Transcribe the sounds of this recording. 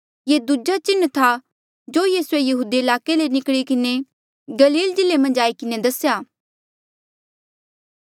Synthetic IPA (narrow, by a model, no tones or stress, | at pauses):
jeːd̪ud͡ʒat͡ʃɪnːt̪ʰa | d͡ʒoːjiːsuejɐɦuːd̪iɪlaːkelenɪkɽikɪne | ɡɐliːld͡ʒɪlemɐ̃nd͡ʒaːikɪned̪ɐsjaː